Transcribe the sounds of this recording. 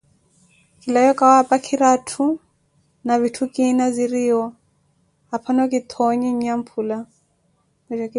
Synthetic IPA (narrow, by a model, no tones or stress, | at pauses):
kʼilajɔkʼawapʼakʰiɾatʰu | navitʰukʼinaziɾiɦɔ | apʰanɔkʼit̪ʰɔɲiɲam̩pʰuːla | mɛd͡ʒakʼi